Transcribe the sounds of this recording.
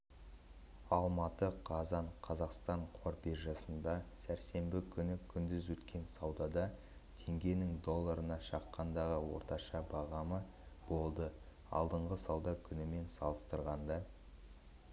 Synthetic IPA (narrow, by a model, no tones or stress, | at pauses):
ɑlˠmɑt̪əqʰɑzɑɴqʰɑzɑqst̪ɑɴqʰo̞ɾbeɾʒɑsənd̪ɑsæɾse̞mbɪkʲʰʏnɪkʲʰʏnd̪ɪzwɵt̪kʲʰe̞nsɑwd̪ɑd̪ɑ | t̪ʰe̞ŋɡʲe̞nɪŋd̪o̞lˠːɑɾənɑʃɑqːɑnd̪ɑʁəwo̞̰ɾt̪ɑʃɑbɑʁɑmə | b̥o̞lˠd̪ə | ɑ̰lˠd̪əɴʁəsɑwd̪ɑkʲʰʏnɪme̞nsɑlˠəst̪əɾʁɑnd̪ɑ